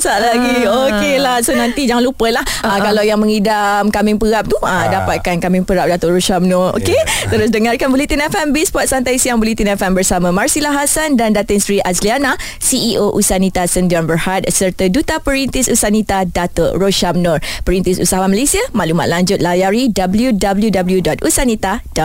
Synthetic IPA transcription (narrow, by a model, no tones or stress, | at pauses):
saʔlaɡiokelahsonãnt̪id͡ʒaŋanlupəlahəkalawjaŋmə̃ŋidamkamɪŋpəɾap̚t̪uədapat̪̚kankamɪŋpəɾap̚dat̪ɔʔɾoʃamnɔro̰ket̪əɾʊs̬dəŋarkanbulit̪inɛfɛmbispɔt̪̚sant̪aisijaŋbuliht̪inɛfɛmbərsamãmarsilaɦasandandat̪əŋsɾiʔasliana | siiʔoʔusanĩt̪asəndiɔnbərhat̪̚sərt̪ədut̪apəɾint̪isusanit̪adat̪ɔʔroʃamnɔrpəɾint̪isṵsaɦaamalesiamaluma̰t̪̚laɲd͡ʒʊt̪̚lajaɾidabəljudabəljudabəljudɔt̪̚usanit̪adɔt̪̚